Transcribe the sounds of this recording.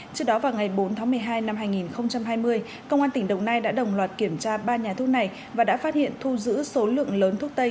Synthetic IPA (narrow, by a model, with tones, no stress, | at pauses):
t͡ɕɨ˦˥ək̚ɗɔ˨˦vaː˨˩wŋa˨˩jɓo˨˦nt̪ʰaː˨˦mɨ˨˩əjɦaː˧jna˧mɦaː˧jŋi˨˩nxə˧wŋ͡mt͡ɕa˧mɦaː˧jmɨ˧əj | kə˧wŋ͡mʔaː˧t̪ï˩ŋ̟ɗə˨˩wnaː˧jɗa̰ː˧˥ɗə˨˩wŋ͡mlwaː˨˩t̚ki˧˩əmt͡ɕaː˧ɓaː˧ɲaː˨˩t̪ʰu˦˥ək̚na˨˩j | vaː˨˩ɗa̰ː˧˥faː˦˥t̚hḭ˧˨ənt̪ʰu˧zɨ̰˧˥so˨˦lɨ̰˧˨əŋləː˨˦nt̪ʰu˦˥ək̚t̪ə˧j